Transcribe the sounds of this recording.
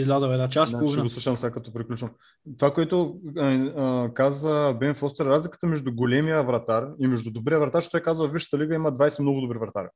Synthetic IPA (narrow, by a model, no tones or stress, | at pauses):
izlʲazəwɛd̪nat͡ʃasplˠovinɡosuʃɐmsakɐt̪ɔpɾiklʲut͡ʃvəm | t̪ovakoɛt̪ʊ | kazvəbɛnfɔst̪ɛɾɾazlikə̥t̪əmɛʒd̪ʊɡolʲɛmiəvɾɐt̪aɾimɛʒd̪ʊd̪obɾiəvɾɐt̪aɾʃt̪ɔjkazvəviʃə̥t̪əliɡəimɐd̪vajsɛmn̪ɔɡʊd̪obɾivɾɐt̪a̰ɾ